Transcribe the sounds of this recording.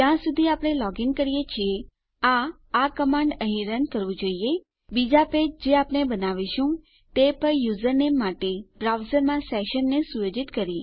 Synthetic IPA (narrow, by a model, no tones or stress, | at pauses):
t̪jãsud̪ʱiapɽ̃elɔɡiŋɡkəɾijet͡ʃʰie | aː | kəmãɳɖəɦĩɾənkəɾʋũd͡ʒoije | bid͡ʒaped͡ʒd͡ʒeapnebənaʋiʃũ | t̪epəɾjuzəɾnemaʈeɖɾawzəɾmãsɛkʃənːesujod͡ʒit̪kəɾi